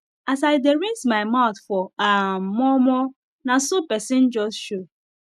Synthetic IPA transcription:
as̬aɪdeɾĩnsmaɪmaʊθfɔamɔmɔ | nasopɛsɪ̃nd͡ʒɔsʃo

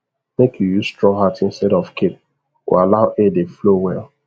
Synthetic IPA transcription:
mekʰjujustɹɔ̃ŋɦatĩnstɛɾɔfkep̚ | wḭalaʊʔedeflowɛl

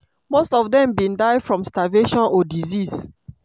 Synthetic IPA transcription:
mostɔvdɛ̃mbĩndaɪfɹɔ̃mstaveʃɔ̃nɔdizis

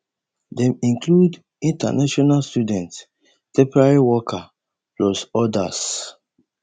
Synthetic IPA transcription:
dɛ̃mĩŋkʰlud | ĩnta̰naʃɔnalstudɛ̃nts | tɛ̃mpɔɹaɹiwɔkʰa | plɔsɔda̰s

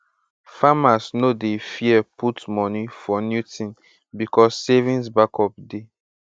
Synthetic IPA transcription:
famasnodefiɛpʰutmɔnifɔnjutn | bikɔsːevĩnsbakʰɔp̚de

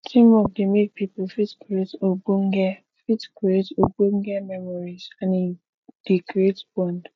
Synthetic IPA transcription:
tʰĩmɔk̚demek̚pipofitkuɾetoboŋ̩ɡɛ | fitkietoboŋ̩ɡɛmɛmɔɾizãni | d̥ikɾetbɔ̃nd

